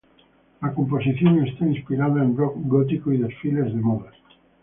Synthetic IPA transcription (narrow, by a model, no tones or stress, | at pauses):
akomposiθjoŋest̪ainspiɾaðaembɾokɡot̪̬ikoiðesfilezðemoðe